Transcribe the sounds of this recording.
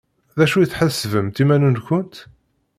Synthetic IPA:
ðæʃujiθħəsːvəmt̪imænunkʷʊnt̪

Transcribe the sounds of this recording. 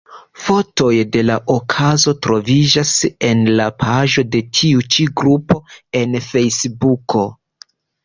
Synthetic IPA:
fo̞to̞jde̞laʔokʰazo̞tɾo̞vid͡ʒase̞nlapʰaʒo̞de̞tʰiut͡ʃiɡɾupo̞e̞nfe̞jsbukʰo̞

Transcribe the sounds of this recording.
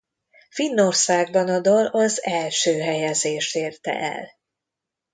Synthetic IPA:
finːo̞rsaːɡ̚bɒnɒd̪olɒzɛlʃøːɦɛjɛzeːʃt̪eːrt̪ɛ̰ʔɛ̰l

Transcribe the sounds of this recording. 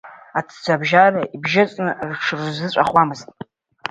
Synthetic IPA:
atʰd͡zʷabʒaraibʒat͡sʼnɨrʈ͡ʂʰrzɨt͡ɕʷʼaχwamɨztʼ

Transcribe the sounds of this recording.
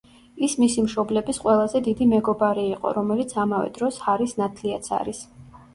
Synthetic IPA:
ismisimʃɔblɛbisqʼwɛlˠazɛd̪id̪imɛɡɔbaɾiːqʼɔ̰ɾɔmɛlit̪sʰamavɛ̰d̪ɾɔshaɾisnat̪ʰliat̪sʰa̰ɾis

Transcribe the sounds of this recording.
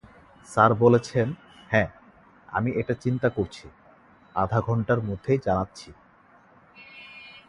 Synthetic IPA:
saɾbolet͡ɕʰen | hɛ̃ː | a̰miʔeʈat͡ɕint̪akoɾt͡ɕʰi | a̰d̪ʱaɡʱɔɳʈaɾmod̪ʱːejd͡ʑanatːɕʰi

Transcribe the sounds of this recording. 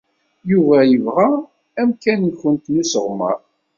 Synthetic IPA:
juvæjəvʁa | æmkænçənt̪nisəʁmə̰ɾ

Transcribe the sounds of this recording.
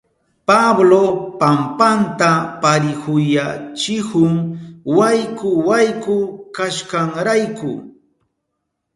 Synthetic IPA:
pablopampant̪apaɾɪhʊjat͡ʃɪhʊŋwajkʊwajkʊkaʃkaŋɾajkʊ̰

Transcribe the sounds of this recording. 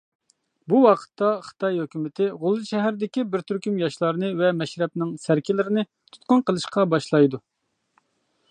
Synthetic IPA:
buwɑqʰə̥t̪ʰːɑχə̥t̪ʰɑjhøkʲymɪt̪ʰɪʁʊlˠːɨʃɛɦæɾd̪ɪkʲibɪɾt̪ʰyɾkʲymjɑʃlˠɑɾnɨvɛmɛʃɾɛp̚nɪŋsæɾkʲʰɪlɪɾɪnɪ | t̪ʰu̥t̪̚qʊnqəlˠɨʃqɑbɑʃlˠɑjd̪u

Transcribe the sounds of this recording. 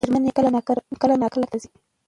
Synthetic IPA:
əɾmanikəlanɑkkəlanɑkalaɾt̪azi

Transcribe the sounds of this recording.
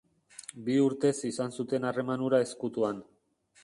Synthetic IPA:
biuɾt̪e̞sisansut̪e̞nare̞manuɾae̞skut̪uan

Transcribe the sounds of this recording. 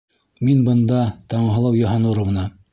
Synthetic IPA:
minbɤ̆nd̪ɑt̪ɑɴɦɤ̆lˠɑwjɑ̆ɦɑnuɾɤ̆wnɑ

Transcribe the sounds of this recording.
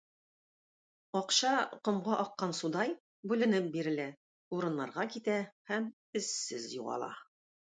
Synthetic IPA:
ɒqɕɑqŏmʁɑʔɒqːɑnsud̪ɑj | bʉlɘ̆nɘp̚biɾɘ̆læ | uɾɤ̆nːɑɾʁɑkit̪æhæm | ɘ̆sːɘzjuʁɑ̰lˠɑ̰

